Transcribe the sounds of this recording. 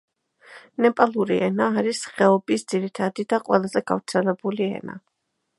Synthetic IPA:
nɛpʼalˠuɾiʔɛnaːɾisχɛɔbisd̪ziɾit̪ʰad̪id̪aqʼwɛlˠazɛɡa̰vɾt̪sʰɛlɛbuliɛ̰na̰

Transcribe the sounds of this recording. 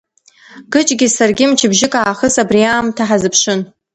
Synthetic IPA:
ɡ̥ɨt͡ʃʼɡʲɪsarɡʲɪmt͡ʃʰɪbʒɪkʼaːχəsabriaːmtʰaħazɨpʰʂɨn

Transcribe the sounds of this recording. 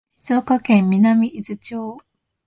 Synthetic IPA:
çizɨokakẽ̞mːʲinamʲiʔizɨt͡ɕoː

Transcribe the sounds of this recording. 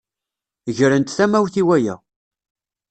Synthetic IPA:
ʝɾənt̪θæmæwθiwæjæ̰

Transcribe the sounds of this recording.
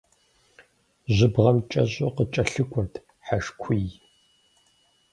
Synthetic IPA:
ʑʷɪbʁɐmt͡ʃʼɐʑʼoqət͡ʃʼɐɬɨkʷʼʊrtʰ | ħaʃkʷʰij

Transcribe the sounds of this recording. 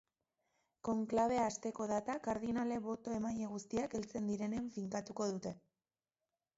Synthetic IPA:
ko̞ŋklaβ̞e̞aːst̪e̞ko̞ðat̪akaɾðinale̞βo̞t̪o̞e̞majeɣ̞ust̪iake̞lt͡se̞nd̪iɾe̞neɱfiŋkat̪uko̞ðut̪e̞

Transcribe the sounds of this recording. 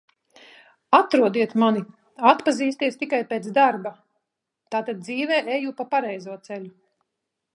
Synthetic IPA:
at̪ɾuɔd̪iɛt̪mani | at̪paziːst̪iɛst̪ikajpeːt̪zd̪aɾba | t̪aːt̪ad̪̚d̪ziːvɛːʔɛjupapaɾɛjzuɔt̪sɛlʲu

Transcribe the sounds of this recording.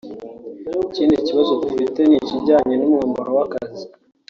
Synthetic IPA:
iciːndiciβazoɟifite̞niciɟaːɲe̞numŋaːmbaɾowakazi

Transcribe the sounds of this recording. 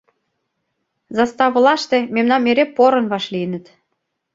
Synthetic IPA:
zɑst̪ɑβə̆lɑʃt̪ememnɑnmeɾepoɾə̆nβɑʃliənə̆t̪

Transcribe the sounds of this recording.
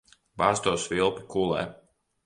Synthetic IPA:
baːst̪uɔsvilˠpu̥kulˠɛ̰ː

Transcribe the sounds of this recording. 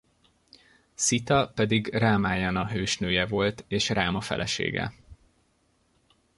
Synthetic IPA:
sit̪ɒpɛd̪iɡraːmaːjɒnɒɦøːʃnøːjɛvo̞lt̪eːʃraːmɒfɛ̰lʔɛ̰ʃḛːɡɛ̰

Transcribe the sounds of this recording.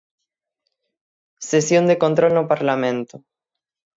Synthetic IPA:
sesjond̪ekont̪ɾolnopaɾlamẽnt̪o

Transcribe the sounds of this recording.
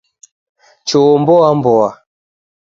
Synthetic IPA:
t͡ʃɔɔmbɔambɔa

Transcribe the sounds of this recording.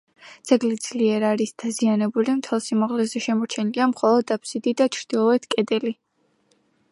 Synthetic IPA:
d̪z̥ɛɡlid̪z̥liɛɾaɾisd̪̥azianɛbulimt̪ʰɛlˠsimaʁlɛzɛʃɛmɔɾt͡ʃʰɛniliamχɔlˠɔd̪ːapʰsid̪id̪at͡ʃʰɾd̪̥ilˠɔɛt̪ʰkʼɛd̪ɛli

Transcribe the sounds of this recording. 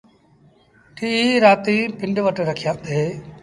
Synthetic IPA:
ʈʰiːiːɾaːt̪iːpɪɳɖʋəʈɾəkʰijãːd̪eː

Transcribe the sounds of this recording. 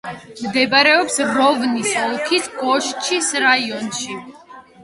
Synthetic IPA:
md̪ɛbaɾɛɔpsvɾɔɡnisɔlˠkʰisɡʼɔʃt͡ʃʰisɾaiɔnʃi

